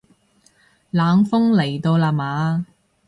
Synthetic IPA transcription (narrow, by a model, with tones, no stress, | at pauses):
laː˨˧ŋfʊ˥ŋle˨˩jt̪o˧wlaː˧maː˨˧